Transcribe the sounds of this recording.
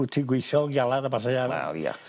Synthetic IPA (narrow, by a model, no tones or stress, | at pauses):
utʰiɡwejθɔlɡjalˠadabarɛaa̰l̰a̰